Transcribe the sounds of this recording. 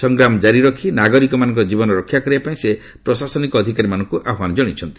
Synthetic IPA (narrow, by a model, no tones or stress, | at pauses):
sɔŋɡɾamɔd͡ʒaɾiɾɔkʰinaɡɔɾikɔmanɔŋk̬ɔɾɔd͡ʒibɔnɔɾɔkʰːjakɔɾibapaĩse | pɾɔsasɔnikɔːd̪ʱikaɾimanɔŋkuʔaɦɔmand͡ʒɔɽ̃it͡ʃʰɔnt̪i̥